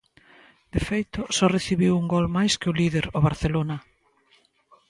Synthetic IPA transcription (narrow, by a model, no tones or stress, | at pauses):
d̪̥efejt̪ʊsɔreθiβiwuŋɡɔlmajskɪʊlið̞eɾoβaɾθelonɐ